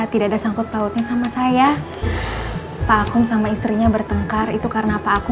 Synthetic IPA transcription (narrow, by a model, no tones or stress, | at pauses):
t̪idaʔadasaŋkʊt̪̚paʊt̪̚ɲasamasaja | paːkʊmsamaist̪ɾiɲabərt̪əŋkarit̪ukaɾənapaːkʊ